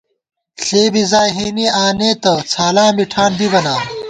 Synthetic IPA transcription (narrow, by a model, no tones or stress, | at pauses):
ɬeːbizaːjɦeːniaːneːt̪ɐt͡sʰaːlãːmiʈʰaːnd̪ibɐnaː